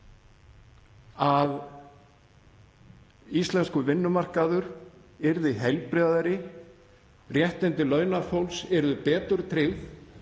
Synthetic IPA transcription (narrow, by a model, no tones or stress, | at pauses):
að | ist̪lɛnskʏvɪnːʏmar̥kaðʏɾɪɾðɪɦɛjlpɾɪððaɾɪ | rjɛht̪ɛnt̪ɪlœːɥnafowlsɛɾðʏpɛːt̪ʏɾ̥t̪ʰɾɪθ